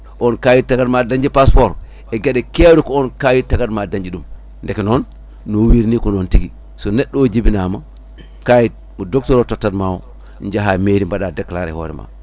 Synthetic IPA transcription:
ʔɔnkajitaɡatmadaɲd͡ʒipaspɔɾ | ɛɡeɗɛkeɾukɔɔnkajitaɡatmadaɲd͡ʒiɗum | ndɛkɛnɔnː | owiɾnikɔnɔntiɡi | sɔnɛɗːɔd͡ʒibinama | kaji | mɔdok̚tɔɾɔtɔtːatmawɔ̰ | ɲd͡ʒaɦameɾimbaɗadakːlaɾɛ̰hɔ̰ːɾɛ̰ma̰

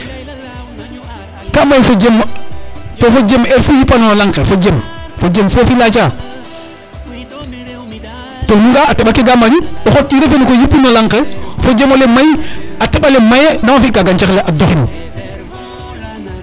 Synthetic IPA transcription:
kamajfod͡ʒem | tofod͡ʒemeɾfujipːanoolaŋkefod͡ʒemfod͡ʒemfofilat͡ʃa | tonuŋɡaːteɓakeɡamanioxotːiɾefenikojipːinolaŋkefod͡ʒemolemajateɓalemajenamafiʔkaɡant͡ʃaxleʔadoxnḭ

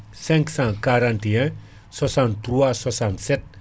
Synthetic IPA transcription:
sɛ̃ŋksãkaɾãnt̪iɛ̃ | swasãnt̪ɾuasasãnsɛt̚

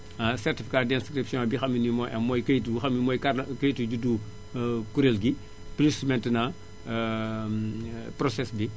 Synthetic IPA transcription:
sɛrtifi̥kadɛnskɾipsjɔ̃bixɐminimɔjʔɐmːɔːjkɐtuxɐmimɔːjkarkɐjtuɟudu | kuɾelɡi | plusmɛntənɐ | prɔsɛsbi

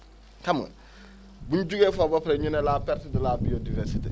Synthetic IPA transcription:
kamə̰ | bunɟuɡefabapɾeɲunelapɛɾtidilabiodivɛɾsitḛ

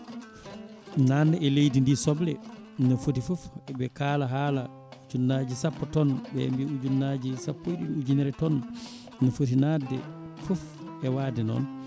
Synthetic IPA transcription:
nanɛɛlejdindisɔblɛnɔfotifɔfɛbɛkaːlaɦaːla | ud͡ʒunːad͡ʒisapːɔtɔnbɛ̰mbiud͡ʒunːad͡ʒisapːojɗinud͡ʒunɛɾɛtɔnː | ɔfot̬inadːɛ̰ | fɔf | ɛwadɛnɔ̰n

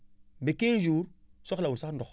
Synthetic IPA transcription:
bekend͡ʒuːɾsɔklawulsakndɔx

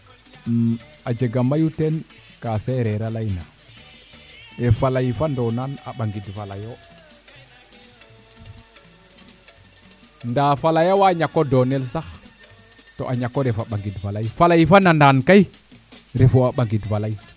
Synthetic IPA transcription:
ad͡ʒeɡamajuten | kaseɾeɾalajna | efalajfandonana̰ɓaŋɡidfalajo | ndaːfalajowaɲakːodonelsax | toʔaɲakːoɾefaɓaŋɡidvalajfalajfanandankaj | ɾefoaɓaŋɡidvalai

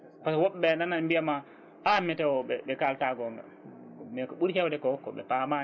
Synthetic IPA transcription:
faswɔɓːɛndanambiama | ʔamɛtɛwɔɓɛɓɛkaltaɡɔŋɡa̰ | mɛkɔɓuɾhɛwdɛkɔhɔkːɔɓɛ̰pama

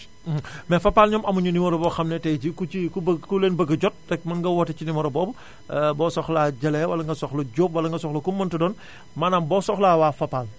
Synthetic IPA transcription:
mɛfɐpːaːlɲɔːmʔɐmuɲunimɔɾɔbɔxɐmnɛtɛɟikuikubkuleːnbəɡɐɟɔt̚dɛk̚mɐnɡɐwɔtɐcinimɔɾɔbɔːb | bɔːsɔxlaːɟɐlɛwɐlɐŋɡɐsɔxlɐɟoːp̚wɐlɐŋɡɐsɔxlɐkumːɐntɐdɔːn | manaːmbɔːsɔxlaːwaːfɐpːaːl

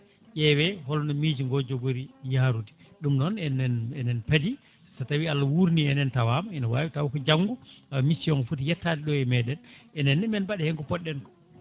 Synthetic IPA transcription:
ʔɛwɛhɔlnɔmid͡ʒiŋɡɔd͡ʒoɡoɾijaːɾudi̥ | ɗumnɔnɛnɛnɛnɛnpadi | satawialːawuɾniɛnɛntawamaɛnawaːwitawakɔd͡ʒaŋɡuaamisiɔnfutijɛtːadɛɗɔɛmɛɗɛnɛnɛnːɛmɛnbaɗɛhɛŋkɔpɔɗːɛnkɔ̥

